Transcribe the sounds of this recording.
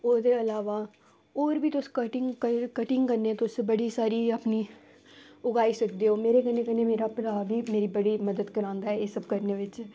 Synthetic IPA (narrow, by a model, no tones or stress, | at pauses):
oːd̪eːəlaːʋaː | oːɾʋiːt̪ʊskəʈɪŋɡkəkəʈɪŋɡkəɾnet̪ʊsbəɽiːsaːɾiːaːpniː | ʊɡaːiːsək̚d̪eːɦoːmeːɾeːkənːeːkəneːmeːɾaːpɾaːbiːmeːɾiːbəɽiːməd̪əd̪kəɾãːnd̪aːɦɛeːsəb̚kəɾneːʋɪt͡ʃ